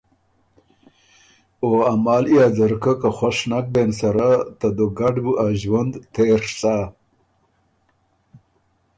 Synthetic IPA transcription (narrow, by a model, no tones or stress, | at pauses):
oamaːlijaːzaɾkəkaxwaʂnak̚bensaɾat̪ad̪oɡaɖbuʔaʒwand̪t̪eɾsa